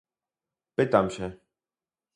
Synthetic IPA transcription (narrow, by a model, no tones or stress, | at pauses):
pɘt̪amɕɛ